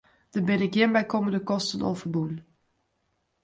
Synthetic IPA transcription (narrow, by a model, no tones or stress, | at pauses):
d̥əbɪdəɡɪnbɛjkɔməndəkɔstəno̰ːvərbun